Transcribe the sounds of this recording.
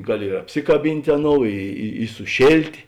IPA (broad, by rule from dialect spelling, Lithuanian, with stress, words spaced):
ˈɡɑːˌlʲɪ ɪr ɐpʲˈsʲɪkɐˌbʲɪnʲtʲ ˈɑːˌnoːʊ ɪ ɪ sʊˈʃʲeːlʲtʲeː